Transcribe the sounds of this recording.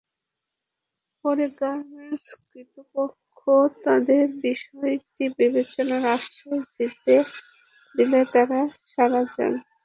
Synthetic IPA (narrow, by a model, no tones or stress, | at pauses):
pɔɾeɡaɾmeɾskɾit̪opokʰːot̪ad̪eɾbiʃɔeʈibibet͡ɕonaɾaʃʈɾod̪id̪e | d̪ilet̪aɾaʃaɾad͡ʑa̰n